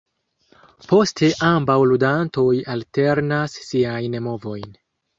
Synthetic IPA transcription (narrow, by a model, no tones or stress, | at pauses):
po̞stʰe̞ʔambawludanto̞jalteɾnasːiajnmo̞vo̞jn